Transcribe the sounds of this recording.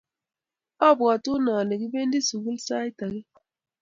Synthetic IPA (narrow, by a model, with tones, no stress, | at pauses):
ɔ˦˨bɣa˨tu˦nɔ˨ni˨ɡi˦be˦n˦di˦su˨ɡi˦lsa˦jta˨ɣi˦